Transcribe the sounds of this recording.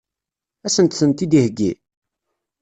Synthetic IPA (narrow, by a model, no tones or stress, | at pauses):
æsənt̪sənt̪id̪ihəɡːi